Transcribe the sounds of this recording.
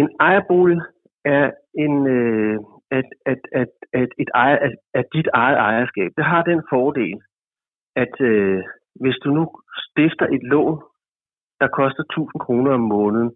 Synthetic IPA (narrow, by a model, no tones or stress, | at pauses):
e̝nɑ̈ɪɐb̥o̝̰l | æɐ | e̝nø | æ̥ | e̝d̥ɑ̈ɪɐʔææɐd̥id̥ɑ̈ɪð̩ˠɑ̈ɪɐsɡ̥ɛ̰ːb̥̚d̥eɦɑ̈d̥enfɒːd̥e̝̰ːl | æd̥ø | ʋe̝sd̥unusd̥efd̥ɐʔe̝d̥lɔ̰ːn | d̥ɑ̈kʰɒ̽sd̥ɐt͡sʰṵːsn̩kʰʁo̝ːnɐɒmːɔ̽ːnð̩ˠ